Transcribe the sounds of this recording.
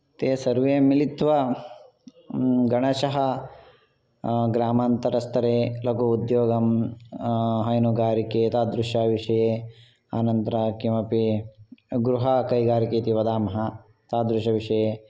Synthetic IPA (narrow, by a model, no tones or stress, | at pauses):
t̪eːsɐɾʋeːmilit̪ʋɐ | ɡɐɳɐʃɐɦɐ | ɡɾaːmaːnt̪ɐɾɐst̪ʰɐɾeːlɐkuud̪joːɡɐm | ɦɐjnuɡaːɾikeːt̪aːd̪ɾuʃaːʋiʂɐjeː | aːnɐnt̪ɐɾɐkimɐpi | ɡɾuɦɐkɐjɡaːɾikeːt̪iʋɐd̪aːmɐɦɐ | t̪aːd̪ɾuʃɐʋiʃɐjeː